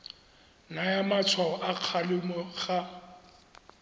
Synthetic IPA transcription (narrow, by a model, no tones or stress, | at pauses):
najamat͡sʰwaɔʔaq͡χʰalɪmɔχa